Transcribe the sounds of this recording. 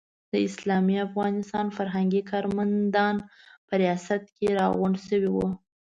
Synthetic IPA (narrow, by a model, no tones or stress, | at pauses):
d̪̥əɪslɑmiafɣɑnɪst̪ɑnfaɾɦaŋɡikʰɑɾmand̪ɑnpəɾijɑsat̪̚keɾɑɣʊɳɖsəwiwu